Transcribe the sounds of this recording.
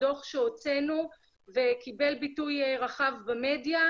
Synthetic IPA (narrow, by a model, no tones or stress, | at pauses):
o̞χʃeot͡se̞nu | ve̞kibe̞lbitujʁaχavbame̞dja